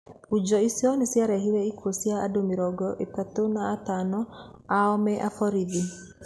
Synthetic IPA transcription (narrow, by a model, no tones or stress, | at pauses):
ud͡ʒɔisjɔnesjaɾɛɦiɾɛikosjaːdomiɾɔɡɔʔekatonaatanɔ | aɔmɛʔafɔɾiði